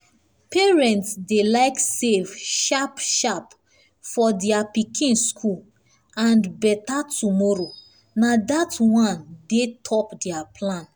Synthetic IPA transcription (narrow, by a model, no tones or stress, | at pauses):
peɹɛ̃ntsdelaɪksevʃapʃap | fɔdɛapikʰĩnskʰul | ãnbɛtatumɔɾo | nadatwɔ̃ndetʰɔpdɛapʰlãn